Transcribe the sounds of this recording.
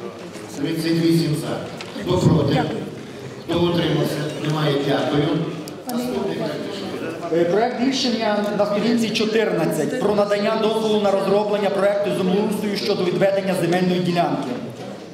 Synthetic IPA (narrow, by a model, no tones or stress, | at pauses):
mɪsenʋisʲinza | xt̪ɔpɾɔt̪ɪ | nɔɔt̪ɾɪmɔsʲɐnemajɛtʲat̪ɔjʲʊ | ɔt̪ɪɐɪʃpɾɔɛk̚t̪ʋʲilʲʃenʲːɐnɐst̪ɔɾʲinʲt͡sʲit͡ʃɔt̪ɪrnɐt͡sʲːɐtʲpɾɔnɐd̪ɐnʲːad̪ɔzʋɔlˠʊnɐɾɔzɾɔblˠenʲːɐpɾɔɛk̚t̪ʊzʊmlˠust̪ɔjuʃt͡ʃɔd̪ɔʋʲid̪ʋɛd̪e̞nʲːɐzemɛlʲnɔjidʲilʲankɪ